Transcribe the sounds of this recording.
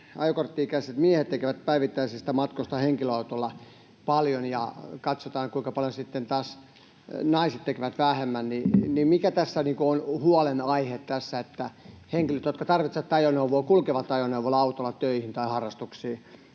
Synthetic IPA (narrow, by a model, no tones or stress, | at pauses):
ɑjokort̪ːiikæiset̪miehet̪t̪ekeʋæt̪̚pæiʋit̪ːæisest̪æmɑt̪kost̪ɑheŋkiløɑut̪olːɑ | pɑljonjɑ̰kɑt̪sot̪ɑːŋkuiŋkɑpɑljonsit̪ːent̪ɑːs | nɑiset̪t̪ekeʋæt̪ʋæhemːænninimikæt̪æsːæniːkoonhuɑlenɑihet̪t̪æsːæet̪ːæheŋkiløt̪jot̪kɑt̪ɑrʋit̪seʋɑt̪ːɑjoneuʋoːkulkeʋɑt̪ːɑjoneuʋolːɑɑut̪olːɑt̪øihint̪ɑihɑrːɑst̪uksiː